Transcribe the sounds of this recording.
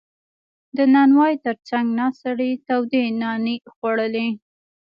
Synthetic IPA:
d̪ənɑnwɑjt̪əɾt͡saŋɡnɑsaɽit̪awd̪enɑnexwaɽəli

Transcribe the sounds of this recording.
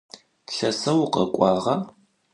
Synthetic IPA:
ɬɐsɐwʊqɐkʷʼɑːʁɐ

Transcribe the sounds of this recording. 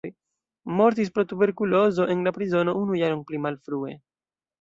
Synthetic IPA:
j | mo̞ɾt̬is̬pɾo̞tube̞ɾkulo̞zo̞ʔe̞nlapɾizo̞no̞unujaɾonplimalfɾue̞̰

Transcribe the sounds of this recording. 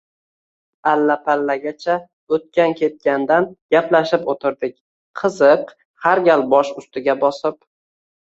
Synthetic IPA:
alːapʰalːaɡʲat͡ʃʰa | ɵt̪̚kʲankʲʰe̞t̪̚kʲand̪anɡ̥ʲaplaʃɪpot̪ʰɪɾd̪ɪkʲ | qʰɨzɨq | haɾɡʲalbɒʃʊst̪ɪɡʲabɒsɪp̚

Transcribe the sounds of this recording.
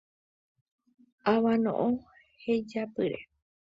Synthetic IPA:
aʋãnõ̰ʔõ | hed͡ʒapɨɾḛ

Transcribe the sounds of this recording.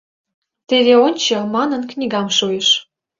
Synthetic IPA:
t̪eβeonʲt͡ɕɤmɑnənknʲiɡɑmʃueʃ

